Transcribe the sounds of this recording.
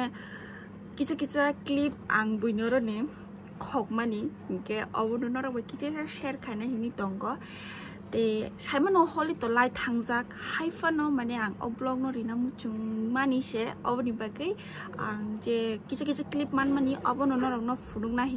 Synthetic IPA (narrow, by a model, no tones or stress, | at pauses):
kit͡sʰakit͡saklip̚a̰ŋbujnɔɾɔne | kʰɔk̚mani | ɡɛʔɔbɔnɔnɔɾɔbɔjkit͡sʰasaʃɛɾkʰajnaɦinit̪ɔŋɡɔ | t̪esajmanɔhɔlit̪ɔlajt̪ʰaŋzakhajfʰanɔmanɛaŋɔ̰blɔɡ̚nɔɾinamut͡ʃuŋmanisɛɔ̰bɔnibaɡɯj | a̰ŋzɛkit͡ʃʰak̬it͡sʰaklip̚manmaniʔɔbɔnɔnɔɾɔbnɔpʰunuk̚naɦi